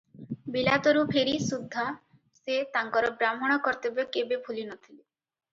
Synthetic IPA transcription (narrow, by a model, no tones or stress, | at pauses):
bilat̪ɔɾupʰeɾisud̪ʱːa | set̪aŋkɔɾɔbɾamɔɽ̃ɔkɔɾt̪ebekebebʱulinɔt̪ʰile